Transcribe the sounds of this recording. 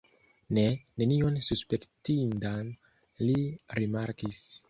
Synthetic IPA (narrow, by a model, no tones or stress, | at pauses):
ne̞ne̞nio̞nsuspe̞ktindan | liɾimaɾkis